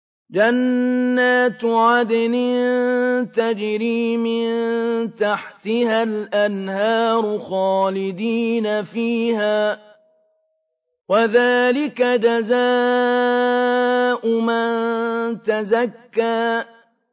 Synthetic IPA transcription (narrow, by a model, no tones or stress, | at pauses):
d͡ʒanːaːt̪ʕad̪anɪnt̪ad͡ʒɾiːmɪnnt̪aħt̪ɪhalʔanhɑːɾˤʊxɑːlɪd̪iːnafiːhaː | waðaːlɪkad͡ʒazaː | ʔʊmant̪azakːaː